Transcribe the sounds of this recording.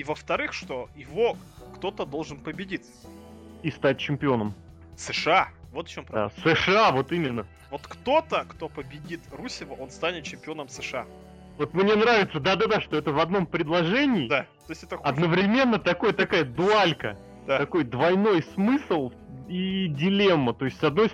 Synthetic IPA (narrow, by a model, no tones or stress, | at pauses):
ivəft̪ɐɾɨxʂt̪o̞jɪvo̞ | kt̪o̞t̪əd̪o̞lˠʐɨnpəbʲɪdʲit̪sə̥ | ist̪at̚ʲt͡ɕːɪmʲpʲɪo̞nəm | sɨʂɨavot̪ft͡ɕompɾɐa̰sɨʂɨavo̞t̪imʲɪnːə | vo̞t̪kt̪o̞t̪əkt̪o̞pəbʲɪdʲit̪rusʲɪvəʔo̞nst̪anʲɪt̪̚t͡ɕɪmʲpʲɪo̞nəmsɨʂɨa | vo̞t̪mnʲe̞nɾavʲɪt̪səd̪ad̪ad̪aʂt̪o̞ɛt̪əvɐd̪no̞mpɾʲɪd̪lˠɐʐɛnʲɪːd̪at̪ojsʲtʲɛt̪əɐd̪nəvɾʲɪmʲe̞nːət̪ɐko̞jət̪ɐkajəd̪ʊalʲkə | d̪̥at̪ɐko̞jd̪vɐjno̞jsmɨslˠ | idʲɪlʲemːət̪o̞ɪsʲtʲsɐd̪no̞j